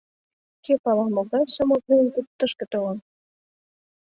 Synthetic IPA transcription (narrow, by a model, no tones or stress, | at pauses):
kepɑlɑmoɣɑjʃə̆mot̪̚nenkutt̪ːəʃkĕt̪olə̆n